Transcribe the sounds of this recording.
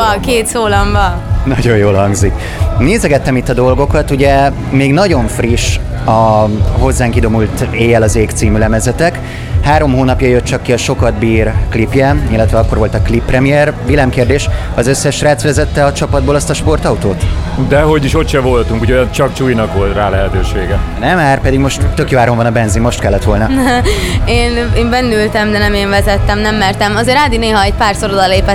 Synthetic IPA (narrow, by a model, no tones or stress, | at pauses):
keːt̪soːlɒɱvɒnɒɟo̞joːlɦɒŋɡzik | neːzɛɡɛt̪ːɛmit̪ːɒd̪o̞lɡo̞kɒt̪uɟɛ | meːɡn̪ɒɟo̞ɱfriʃ | ɒɦo̞zːaːŋkid̪o̞mult̪eːjɛlɒzeːkt̪siːmylɛmɛzɛt̪ɛk | haːɾo̞mɦoːnɒpjɒjø̞t̪̚t͡ʃɒkːiɒʃo̞kɒd̪biːrklipjɛilːɛt̪ʋɛɒkːo̞rʋo̞lt̪ɒklipːrɛmijɛrʋilɛmkeːrd̪eːʃ | ɒzøsːɛʃraːt̪sʋɛzɛt̪ːɛɒt͡ʃɒpɒd̪boːlɒst̪ɒʃpo̞rt̪ɒut̪oːt̪d̪ɛɦo̞ɟiʃo̞t̪ʃɛvo̞lt̪uŋkuɟojnt͡ʃɒkt͡ʃuːjnɒkʋo̞lt̪raːlɛɦɛt̪øːʃeːɡɛnɛmaːrpɛd̪iɡmo̞ʃt̪ːøkjoːaːɾo̞ɱvɒnɒbɛnzimmo̞ʃt̪kɛlːɛt̪ʋo̞lnɒ | eːneːmbɛnːylt̪ɛmd̪ɛnɛmeːɱvɛzɛt̪ːɛmnɛmːɛrt̪ɛmɒzeːɾaːd̪ineːɦɒɛc̚paːrso̞ɾod̪ɒleːpɛ